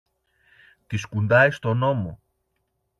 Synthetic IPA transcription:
t̪iskund̪ɐjst̪o̞no̞mo̞̰

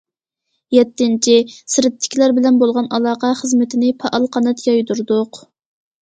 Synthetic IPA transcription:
jɛt̪ːɪnt͡ʃʰisɪɾɪt̪ʰːɪ̥kʲlæɾbɪlɛnbolˠʁɑnɑlˠɑːqɑχəzmɪt̪ʰɪnɪpʰɑʔɑlˠqʰɑnɛt̪jɑjd̪uɾd̪ʊq

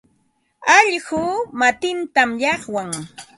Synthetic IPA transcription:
ɑʎɢuːmat̪ɪnt̪amʎɑχwaŋ

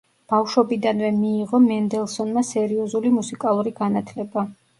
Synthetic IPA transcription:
b̥afʃɔbid̪anvɛmiːʁɔmɛnd̪ɛlˠsɔnmasɛɾiɔzulimusikʼalˠuɾiɡanat̪ʰlɛba

